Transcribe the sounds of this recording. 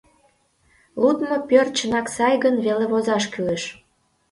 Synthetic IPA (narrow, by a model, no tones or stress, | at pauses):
lud̪mopʲørt͡ɕənɑksɑjɣənβeleβozɑʃkyleʃ